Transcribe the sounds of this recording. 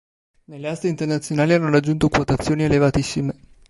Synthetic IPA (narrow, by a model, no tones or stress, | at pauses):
nelːeast̪eint̪ernat̪sːjonaːlianːoɾad͡ʒːunt̪okwot̪at̪sːjoːnielevat̪isːime